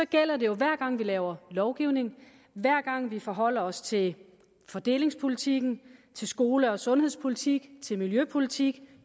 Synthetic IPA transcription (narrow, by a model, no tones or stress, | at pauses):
sɒ̽ɡ̥el̰ɐde̝jo̝ʋæɐ̰ɡ̥ɑ̈ŋ̰ʋilɛːʊɐlɒʊɡ̥iʊne̝ŋ | ʋæɐ̰ɡ̥ɑ̈ŋ̰ʋifɒ̽ɦɒ̽l̰ɐɒ̽st͡sʰe̝l | fɒ̽d̥e̝̰ːle̝ŋspʰo̝lit͡sʰiɡ̥n̩t͡sʰe̝lsɡ̥o̝ːləɒ̽sɔ̽nhe̝ðˠspʰolit͡sʰiɡ̥t͡sʰe̝lmiljøpʰo̝lit͡sʰiɡ̥